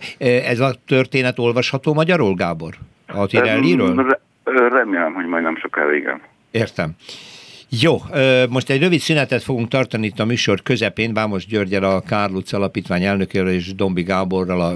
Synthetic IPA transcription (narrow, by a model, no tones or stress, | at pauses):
øɛzɒt̪ø̞rt̪eːnɛt̪o̞lvɒʃhɒt̪oːmɒɟɒɾolɡaːbo̞r | ɒt̪iɾɛlːiɾøːl | rɛmeːlɛmhoɟmɒjd̪nɛmʃoka̰lḛːɡɛ̰n | eːrt̪ɛm | joːøːmo̞ʃt̪ɛɟrøvit̪synɛt̪ɛt̪fo̞ɡuŋkt̪ɒrt̪ɒniit̪ːɒmyːʃo̞rkø̞zɛpeːnbaːmo̞ʒɟørɟɛlɒkaːrlut̪sɒlɒpiːt̪ʋaːɲɛlnø̞keːɾøleːʒd̪o̞mbiɡaːbo̞rːɒlɒ